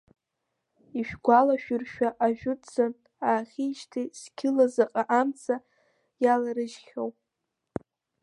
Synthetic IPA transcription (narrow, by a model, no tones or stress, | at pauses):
iʃᶣɡʷalaʃᶣʊrʃᶣaʔaʒᶣʊtʼt͡san | aːχʲiʃtʰiskʲʰɪlazaqʼaʔamt͡sʰa | jalaɾɨʒχʲowpʼ